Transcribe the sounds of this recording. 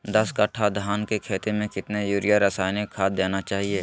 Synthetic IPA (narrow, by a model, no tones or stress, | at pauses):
d̪ɐskɐʈʰad̪ʱaːnkekʰeːt̪emẽkɪt̪nejuːɾijaɾəsaːjnekʰaːt̪̚ːeːnat͡ʃaːɦieː